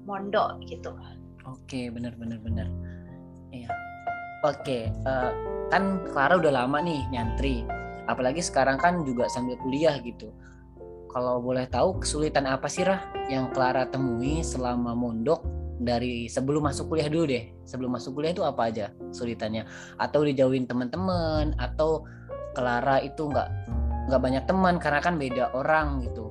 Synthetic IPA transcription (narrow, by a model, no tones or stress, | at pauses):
mɔndɔʔɡit̪u | okebənərbənərbənər | ija | okeəːkankəlaɾaudaɦlamaʔnɪhɲant̪ɾiapalaɡisə̥kaɾaŋkand͡ʒuɡaʔsambɪlkuliahɡit̪u | kalawbolɛht̪aukə̥sulit̪anapasilahjaŋkəlaɾat̪əŋuisəlamamondɔk̚daɾisəbəlʊmːasʊkːuliahduludɛh | səbəlʊmːasʊkuliaht̪uapaːd͡ʒakə̥sulit̪anɲa | at̪awdid͡ʒauɪnt̪əmənt̪əmənat̪aw | kəlaɾait̪uŋɡa̰ʔŋɡaʔbaɲak̚t̪əmənkaɾənakanbedaʔoɾaŋɡit̪u